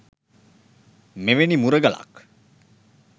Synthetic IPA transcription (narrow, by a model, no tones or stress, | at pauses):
meʋenimuɾəɡəla̰k